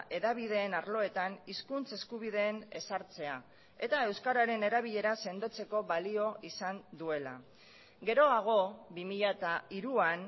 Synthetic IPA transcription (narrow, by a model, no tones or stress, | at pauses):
ʔe̞ðaβ̞iðe̞ːnaɾlo̞e̞t̪aniskunt͡se̞skuβ̞iðe̞ːne̞saɾt͡se̞a | e̞t̪ae̞wskaɾaɾe̞ne̞ɾaβ̞iʎe̞ɾase̞nd̪o̞t͡se̞ko̞βalio̞isand̪ue̞la̰ | ɡe̞ɾo̞aɣ̞o̞βimiʎat̪aiɾuan